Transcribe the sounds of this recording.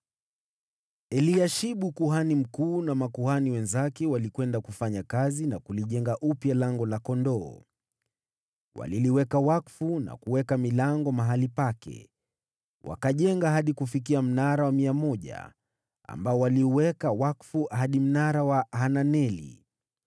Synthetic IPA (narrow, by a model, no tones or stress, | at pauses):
ɛliaʃiɓukuɦanim̩kuːnamakuhaniwɛnzakɛwalikwɛndakufaɲakazinakuliʄɛŋɡaʔupjalaŋɡɔlakɔndɔː | wa̰liliwɛkawakfuna̰kuwɛkamilaŋɡɔmaɦalipakɛ̰ | wa̰kaʄɛŋɡaɦaɗikufik̬iam̩naɾawamiamɔʄa̰ | a̰mbaɔwaliuwɛkawakfuahaɗim̩naɾawahananɛlḭ